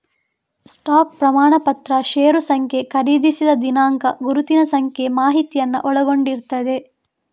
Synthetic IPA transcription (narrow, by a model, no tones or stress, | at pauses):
sʈaːk̚pɾɐmaːɳɐpɐt̪ɾɐʃeːɾusɐŋkʰje̞kʰɐɾiːd̪isid̪ɐd̪inaːŋkɐɡuɾut̪inɐsɐŋkʰemaːɦit̪ijɐnːɐ̰ʔɔɭɐɡo̞ɳɖiɾt̪ɐd̪e̞